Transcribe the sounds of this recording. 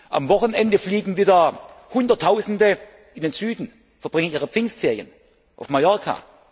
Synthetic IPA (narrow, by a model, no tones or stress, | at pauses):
ʔa̰mvɔχənʔɛndəfliːɡŋ̩viːdɐhʊndɐtʰːaʊzn̩də | ʔɪndeːnz̥yːdn̩ | fɛɐb̥ʁɪŋəniːʁ̞əpp͡fɪnŋstfeːɐjən | ʔaʊfmajɔɐkʰa̰